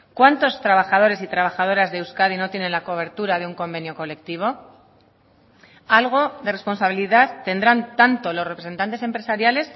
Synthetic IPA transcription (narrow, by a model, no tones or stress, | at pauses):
kwant̪o̞st̪ɾaβaxað̞o̞ɾe̞sit̪ɾaβ̞axað̞o̞ɾazðewskað̞ino̞t̪je̞nẽ̞nlako̞β̞e̞ɾt̪uɾaðe̞uŋko̞mbe̞njo̞ko̞le̞k̚t̪iβ̞o̞ | alɣ̞o̞ðe̞re̞spo̞nsaβ̞iliðaðt̪e̞nd̪ɾant̪ant̪o̞lo̞sre̞pɾese̞nt̪ant̪ese̞mpɾe̞saɾjale̞s